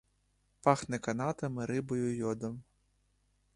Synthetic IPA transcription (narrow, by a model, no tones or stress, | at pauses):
pɑxnɛkɐnɑt̪ɐmɪɾɪbɔjʊjɔd̪ɔm